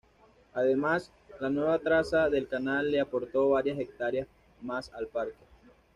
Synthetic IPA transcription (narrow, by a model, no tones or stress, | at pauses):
aðe̞mas | lanwe̞βat̪ɾasaðe̞lkanalːeapo̞ɾt̪o̞βaɾjase̞k̚t̪aɾjas | masalpaɾke